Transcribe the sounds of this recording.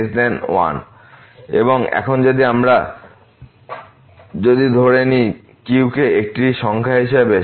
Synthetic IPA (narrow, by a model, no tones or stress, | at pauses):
sd̪ɛnwa̰n | ḛboŋɛ̰kʰond͡ʑod̪iamɾa | d͡ʑod̪id̪ʱoɾeni | kiwkeek̚ʈiʃɔŋkʰaɦiʃebe